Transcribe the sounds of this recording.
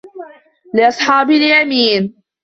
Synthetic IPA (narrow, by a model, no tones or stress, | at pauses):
lɪʔɑsˤħɑːbɪljamiːn